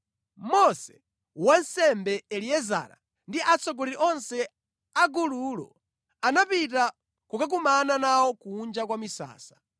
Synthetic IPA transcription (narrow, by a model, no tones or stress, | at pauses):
mɔsɛ̥ | wansɛmbɛɛliɛza̰ːɾa̰ | ndiʔat͡sɔɡɔlɛiʔɔnsɛ | aɡululɔ̰ | anapita | kukak̬umananawɔkuːnd͡ʒakwamisa̰ːsḁ